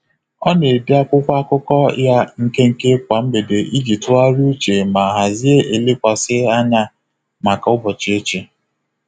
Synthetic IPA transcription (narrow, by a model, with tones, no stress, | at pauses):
ɔ˦ne˨di˦a˦kʷʊ˦kʷa˦kʊ˦kɔ˦ja˦ŋ̩˦ke˦ŋ̩˦˨ke˦kʷa˨m̩˦be˨de˨ʔi˦d͡ʒi˨tʊ˦a˦ɾu˦t͡ʃe˨ma˨ɦa˨zi˦e˦e˨le˦kʷa˨sɪ˦a˦na˦ | ma˨ka˨ʊ˦bɔ˨t͡ʃi˨e˦t͡ʃi˨